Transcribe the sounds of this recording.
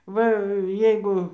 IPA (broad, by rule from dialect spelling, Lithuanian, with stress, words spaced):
ˈʋɐ ˈjɛɪɡʊ